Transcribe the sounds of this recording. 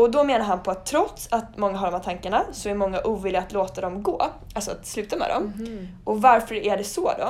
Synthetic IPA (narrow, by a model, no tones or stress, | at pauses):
ɔd̪ɔmeːnaɾɦanpʰɔat̪ʰːɾɔt̪sat̪mɔŋːaɦaɖɔmhæt̪ʰaŋkaɳasɔæɾmɔŋːaʔuːvɪːlːɪɡat̪loːt̪ad̪ɔmɡoː | ʔalsɔat̪slʉ̟ːt̪amɛ̰d̪ɔ̰mʔɔvaɾfœɾæɖɛsɔd̪ɔ̰